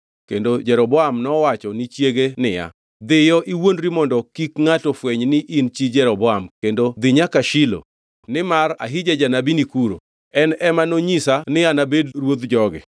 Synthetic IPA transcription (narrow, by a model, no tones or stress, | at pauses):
kendod͡ʒɛɾɔbɔamnɔwat͡ʃɔnɪt͡ʃjeɡenɪja̰ | d̪ɪjɔʔiwondɾimɔndɔkikŋatɔfweɲnɪʔint͡ʃid͡ʒɛɾɔbɔamkendod̪ɪɲakaʃilo̰ | nɪmaɾa̰ɦid͡ʒad͡ʒanabinikuɾo̰ | ɛnɛmanoɲisanɪanabedɾwod̪d͡ʒɔɡɪ̰